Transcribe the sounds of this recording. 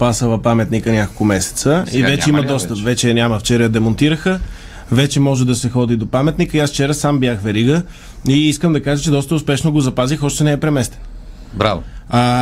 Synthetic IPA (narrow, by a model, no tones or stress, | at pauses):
pasəlˠɐpamɛt̪nikənʲjakolˠkomɛsɛ̥t̪səivɛt͡ʃɛimɐd̪ɔst̪əpvɛt͡ʃɛnʲjaməft͡ʃɛɾəjəd̪ɛmont̪iɾəxə | vɛt͡ʃɛmɔʒɛd̪ɐsɛxɔd̪id̪opamɛt̪nikəiasft͡ʃɛɾəsambjaxvɛɾiɡə | iiskəmd̪ɐkaʒət͡ʃɛd̪ɔst̪əʊspɛʃnoɡozɐpazixɔʃt̪ɛnɛːpɾɛmɛst̪ɛ̥n | bɾaa